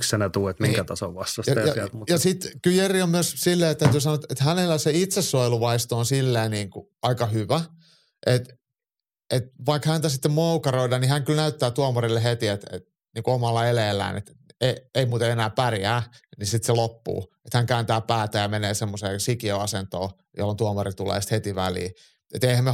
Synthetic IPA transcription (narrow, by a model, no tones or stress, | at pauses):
ksenæt̪uːet̪miŋkæt̪ɑsoʋʋɑst̪ːɑsjɑjɑæt̪jɑsit̪kyljeriommyøssilːeːet̪æyt̪yːsɑnoet̪et̪hænelːæseit̪sesːoiluʋɑist̪oːnsilːeːniːŋkuɑikɑhyʋæ | ʔet̪ | et̪ʋɑikhænt̪æsit̪ːemmoukɑroidɑnihæŋkylnæyt̪ːæːt̪uɑmorilːeɦet̪iet̪ḛt̪ | niːŋkuomɑlːɑeleːlːæ̰ːnḛt̪ | eeimuːt̪eenæːpærjæːnisit̪selopːṵːet̪hæŋkæːnt̪æːpæːt̪æːjjɑmeneːsemːoseːsikioɑsent̪o̰ː | jo̰lːont̪uɑmɑrit̪ulḛːst̪het̪iʋæ̰lḭː | ḛt̪eihæmːe